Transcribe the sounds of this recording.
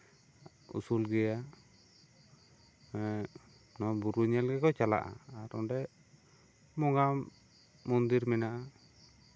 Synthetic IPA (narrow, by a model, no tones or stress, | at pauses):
ṵsulɡɛja | nɔbuɾuɲɛlɡɛkɔt͡ʃala̰ʔa̰ːɾɔ̰ɖɛ | mɔŋɡamː | ɔnd̪iɾmɛnaʔa